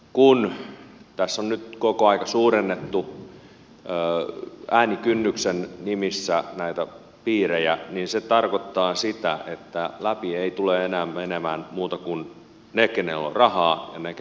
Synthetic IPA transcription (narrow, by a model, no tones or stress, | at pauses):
kunt̪æsːonnyt̪kokoɑikɑsuːrenːet̪ːu | əːæːnikynːyksennimisːænæit̪æ | piːɾejæninset̪ɑrkot̪ːɑːsit̪æet̪ːælæpieit̪uleenæːmmenemæːnmuːt̪ɑkun | nekenḛlːo̰rɑhɑːjɑnek